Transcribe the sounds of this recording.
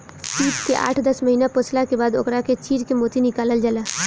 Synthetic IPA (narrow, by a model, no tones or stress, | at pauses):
t͡ʃiːʈkeʔa̰ːʈʰd̪ɐsməɦiːnapʊslakebaːd̪ʊ̰kɾaket͡ʃiːɾkemoːt̪inɪkaːləld͡ʒəlaː